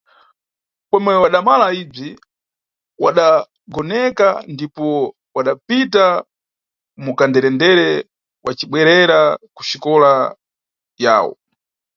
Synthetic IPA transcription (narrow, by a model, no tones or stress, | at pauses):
pɔmwɛwaɗamalaib͡ʐi | waɗa | ɡɔnɛkandipɔ | waɗapita | mukandɛɾɛndɛɾɛ | wat͡ʃiɓwɛɾɛɾaku̥ʃikɔla | ja̰ːwɔ̰